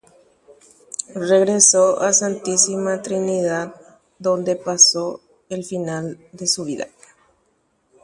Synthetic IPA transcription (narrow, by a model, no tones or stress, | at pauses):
re̞ɣɾesoasant̪isimat̪ɾiniðað | d̪o̞nd̪epaso | elfinald̪e̞suβiða̰